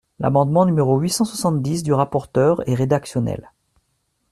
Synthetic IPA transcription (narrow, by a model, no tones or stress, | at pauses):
la̰mɑ̃d̪mɑ̃nymeʁoɥisɑ̃swasɑ̃t̪̚d̪isd̪yʁapɔʁt̪œʁɛʁed̪aksjɔnɛ̰l